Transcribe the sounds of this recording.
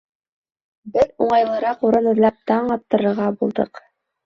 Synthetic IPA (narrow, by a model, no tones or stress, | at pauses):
bɘðuɴɑjlˠɤ̆ɾɑquɾɤnɵ̆ðlˠɑp̚t̪ɑɴɑt̪ːɤ̆ɾɤ̆ɾʁɑbulˠd̪ɤ̰q